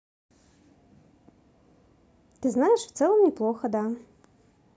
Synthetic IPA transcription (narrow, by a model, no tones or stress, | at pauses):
t̪ɨznajɛʂft̪sɛlˠɐmnʲiplˠoxɐd̪a